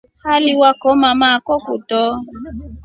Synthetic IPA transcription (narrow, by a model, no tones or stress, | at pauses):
haliwakɔmãmãːkɔkotɔ